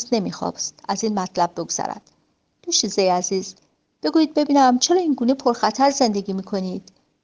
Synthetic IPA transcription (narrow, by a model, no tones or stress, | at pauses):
sne̞mixɒ̰ːbst̪æziːnmæt̪ʰlæb̚ːe̞ɡoz̥æ̰ɾæ̰d̪̥ː | uʃizejæziːz | b̥e̞ɡuːjiːd̪̚be̞biːnæmt͡ʃʰeɾɒːinɡuːnepʰo̞ɾxæt̪ʰæɾze̞nd̪e̞ɡiːmiːkʰo̞niːd̪̥